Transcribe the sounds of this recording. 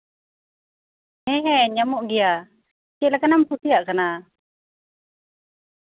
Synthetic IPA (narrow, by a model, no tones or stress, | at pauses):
hɛɦɛɲamuʔɡija | kɛlakanamput̪iaʔkana